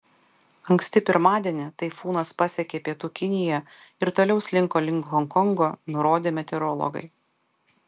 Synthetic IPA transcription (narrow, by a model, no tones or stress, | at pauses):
ɐŋkʲsʲt̪ʲɪpʲɪɾmɑːd̪ʲiɛnʲɪt̪ɐɪfuːnɐspɐsʲɛkʲeːpʲiɛt̪uːkʲɪnʲɪjɛ | ɪɾt̪oːlʲɛʊsʲlʲɪŋkoːlʲɪŋkɦɔŋkɔŋɡoːnʊɾoːd̪ʲeːmʲɛt̪ʲɛɾɔlˠɔ̰ɡɐ̰ɪ